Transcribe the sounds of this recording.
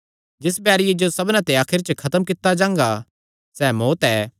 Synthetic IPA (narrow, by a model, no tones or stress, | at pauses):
d͡ʒɪs̬bjaːɾɪjed͡ʒosɐbnãt̪eaːkʰɪɾt͡ʃəkʰɐt̪əmkɪt̪ːad͡ʒãːŋ̆ɡa | sɛːmoːt̪ɛː